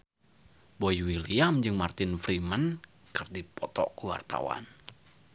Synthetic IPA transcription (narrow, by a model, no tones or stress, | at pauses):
bojwiliamd͡ʒɨŋmart̪ɪnfɾimən | kɨrdipɔt̪ɔʔkuwa̰rt̪a̰wa̰n